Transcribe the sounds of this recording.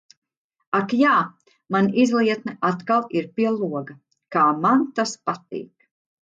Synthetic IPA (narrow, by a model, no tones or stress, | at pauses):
akjaː | manʔizlˠiɛt̪nɛʔat̪kalˠiɾpiɛlˠuɔɡɐ | kaːmant̪aspat̪ḭːk